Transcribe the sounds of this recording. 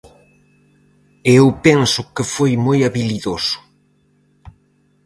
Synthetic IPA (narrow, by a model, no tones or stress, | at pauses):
eewpɛŋsʊkefojmojaβiliðosʊ̥